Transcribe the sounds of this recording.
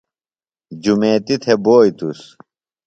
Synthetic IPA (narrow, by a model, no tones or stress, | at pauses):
d͡ʑumeːt̪it̪ʰeboːjt̪us